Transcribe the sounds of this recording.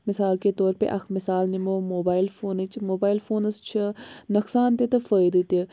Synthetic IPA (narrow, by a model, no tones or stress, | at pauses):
mɪsaːlket̪oːɾpḛʔɐkʰmɪsaːlnimoːmoːbaːɪlfʰoːnit͡ʃmoːbaːɪilfʰoːnɐst͡ʃʰɐnɐksaːnt̪et̪ɐfəːid̪it̪i